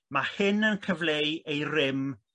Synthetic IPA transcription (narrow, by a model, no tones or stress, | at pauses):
mahɨnənkʰəvlejejrɪm